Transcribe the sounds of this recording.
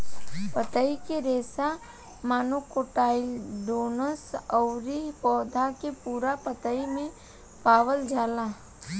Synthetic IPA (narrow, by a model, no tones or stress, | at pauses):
pət̪əikeɾeːsa | maːnokoʈaːɪlɖoːnəsəʊɾipɔːd̪ʱakepuːɾapət̪əimẽ | paːʋəld͡ʒaːlaː